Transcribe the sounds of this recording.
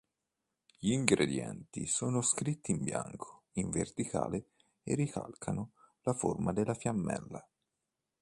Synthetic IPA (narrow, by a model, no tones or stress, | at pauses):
ʎiːŋɡɾed̪jɛ̰nt̪isoːnoskɾit̪ːiːmbja̰ŋkʰo̥ | iɱvert̪ikʰa̰ːle | erːika̰lkʰano | laformad̪elːafjamːɛ̰lːa